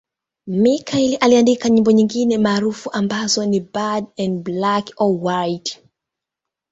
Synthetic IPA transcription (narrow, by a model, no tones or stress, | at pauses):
mikailiʔaliandikaɲĩmbɔɲiŋɡinɛmaːɾufuʔambazɔnibadɛndblakɔwajt